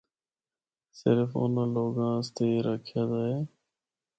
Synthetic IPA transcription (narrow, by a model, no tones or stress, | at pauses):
sɪɾfʊ̰nãːloːɡãːst̪eːɾəkʰjaːd̪aːɦeː